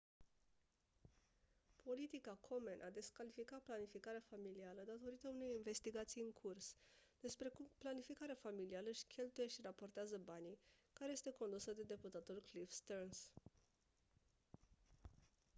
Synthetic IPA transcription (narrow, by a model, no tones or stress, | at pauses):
pʰo̞lit̪ikakʰo̞menʔad̪e̞skalifikat̪̚planifikaɾeafamilialəd̪at̪o̞ɾit̪əune̞jinve̞st̪iɡat̪sijɨŋkʰursd̪̥e̞spɾe̞kumplanifikaɾeafamilialəʃʲkʲe̞lt̪uje̞ʃirapo̞rt̪eazəbanikaɾe̞je̞st̪e̞ko̞nd̪usəd̪e̞d̪e̞put̪at̪ulklifst̪erns